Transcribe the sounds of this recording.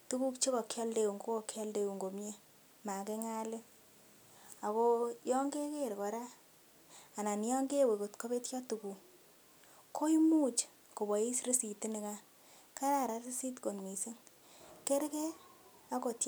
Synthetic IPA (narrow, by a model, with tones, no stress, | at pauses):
tu˦ku˦kt͡ʃe˦kɔ˨kʰjɔ˦lde˨u˨ŋɡo˦ko˨kʰjɔ˦lde˦˨u˨ŋɡo˨mje˦ | ma˨ke˦ŋa˦lɪ˦ | a˨ko˦jɔ˦ŋɡe˦ke˦˨ɾkɔ˨ɾaː˦˨ | na˨njɔ˦ŋɡe˦˨we˨ko˨tko˦be˦tkjɔ˦tu˨ku˨ | kʰo˦i˦mu˦t͡ʃ | ko˨bɔ˨i˦sɾe˦si˨ti˦nɪ˨ka˦ | ka˦ɾa˦˨ɾa˨si˦si˦tko˨nmi˨se˦ŋ | ke˦ɾke˦ | a˦ko˨t